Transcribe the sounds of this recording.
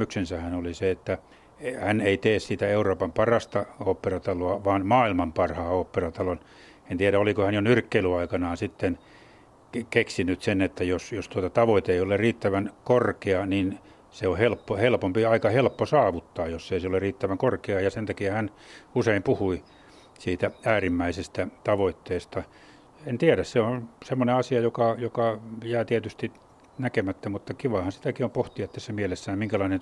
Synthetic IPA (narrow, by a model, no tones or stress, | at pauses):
yksensæhænoliseet̪ːæ | hæneit̪eːssit̪æeuroːpɑmpɑrɑst̪ɑoːpːerɑt̪ɑloɑʋɑːnmɑːilmɑmpɑrhɑːoːpːerɑt̪ɑlon | ent̪iæɾæolikohænjonyrkːeilyɑikɑnɑːnsit̪ːen | keksinyt̪senet̪ːæjosjost̪uot̪ɑt̪ɑʋoit̪eeiolerriːt̪ːæʋænkorkeɑnin | seohelpːohelpompiɑikɑhelpːosɑːʋut̪ːɑːjjosːeiseoleriːt̪ːæʋæŋkorkeɑːjɑsent̪ækiæhæn | useimpuhui | siːt̪ææːrimːæisest̪æt̪ɑʋoit̪ːeːst̪ɑ | ent̪iæɾæsseonsemːoneɑsiɑjokɑjokɑjæːt̪iet̪yst̪i | nækemæt̪ːæmut̪ːɑkiʋɑhɑnsi̥t̪ækiompoht̪iɑt̪ːæsːemielesːæːmmiŋkælɑinen